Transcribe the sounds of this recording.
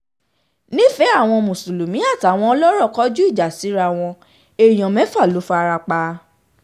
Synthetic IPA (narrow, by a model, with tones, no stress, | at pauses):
nĩ˦fɛ˨˦a˦˨w̃ɔ̃˧mũ˨su˨lu˨mĩ˨˦a˦˨ta˨w̃ɔ̃˧ɔ˧lɔ˦ɾɔ˦˨kɔ˦d͡ʒu˦i˦˨d͡ʒa˨si˨˦ɾa˧˨w̃ɔ̃˧ | e˨j̃ɔ̃˨mɛ̃˨˦fa˦˨lo˨˦fɔ˦a˧ɾa˧k͡pa˧